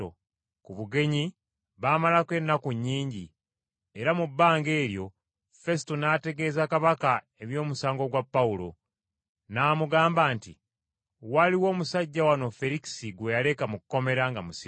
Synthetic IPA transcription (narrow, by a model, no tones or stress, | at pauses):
o̰ | kuβuɡe̞ɲi | βaːmalakwe̞nːakuɲːiːɲɟi | eɾamubːaːŋɡe̞ːɾjo̞ | fe̞sitonaːte̞ɡe̞ːzakaβaka | e̞βjo̞ːmusaːŋɡo̞ɡwapːaulo̞̰ | naːmuɡaːmbaːnti | waliwo̞ːmusaɟːawano̞fe̞ɾiki̥siɡwe̞jale̞kamukuko̞me̞ɾaŋɡamusi